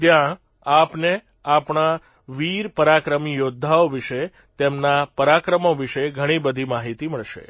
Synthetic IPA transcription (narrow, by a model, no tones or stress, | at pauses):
t̪jã | apne | apɳ̃a | ʋiɾpəɾakɾəmijod̪ʱːaoʋiʃe | t̪emnapəɾakɾəmoʋiʃeɡʱəɽ̃ibəd̪ʱimaɦit̪iməɭʃḛ